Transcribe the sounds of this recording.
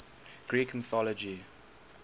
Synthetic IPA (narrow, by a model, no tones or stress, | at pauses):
ɡ̥ɹiːkn̩θɔləd͡ʒi